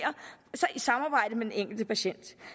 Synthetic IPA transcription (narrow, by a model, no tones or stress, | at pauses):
ɐsɒ̽ʔisɑ̈mɑ̈ːb̥ɑ̈ɪ̰d̥əmed̥eneŋ̰ɡ̥l̩d̥əpʰæɕen̰d̥